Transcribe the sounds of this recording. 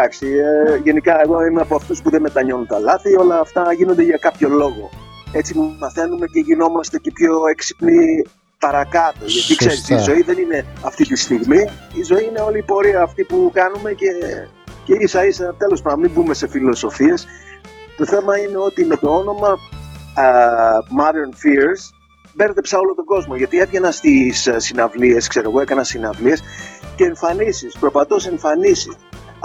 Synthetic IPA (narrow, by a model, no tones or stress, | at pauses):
d̪ɐksiʝe̞nikɐeɣo̞imeɐpoɐft̪uspuðe̞met̪ɐɲo̞nunt̪ɐlɐθio̞lɐːft̪ɐʝinond̪e̞ʝɐkɐpço̞lo̞ɣo̞e̞t͡simumɐθe̞nume̞ce̞ʝino̞mɐst̪e̞cepço̞eksi̥pni | pɐɾɐkɐt̪o̞ʝɐt̪ikse̞ɾisizo̞iðe̞nine̞ɐft̪it̪ist̪iɣmiizo̞iine̞o̞liːpo̞ɾiɐːft̪ipukɐnume̞ce̞ | ceisɐisenɐt̪e̞lo̞spɐnɐmimbume̞se̞filo̞so̞fie̞st̪o̞θe̞mɐine̞o̞t̪ime̞t̪o̞o̞no̞mɐ | mɐðeɾnfiɾs | be̞ɾt̪e̞psɐo̞lo̞t̪o̞ɡo̞zmo̞ʝɐt̪ie̞pʝenɐst̪issinɐvlie̞skse̞ɾoɣoe̞kɐnɐsinɐvliesce̞ːɱfɐnisispɾopɐt̪o̞se̞ɱfɐnisi